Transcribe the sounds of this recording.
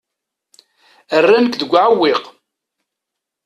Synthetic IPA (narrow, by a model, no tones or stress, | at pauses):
ərːænəkðəɡʷːʕawːɪq